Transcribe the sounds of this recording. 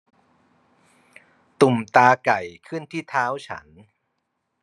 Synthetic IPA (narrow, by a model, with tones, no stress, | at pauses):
t̪u˨˩mt̪aː˧ka˨˩jkʰɯ˥˩nt̪ʰiː˥˩t̪ʰaː˦˥wt͡ɕʰa̰˦˥n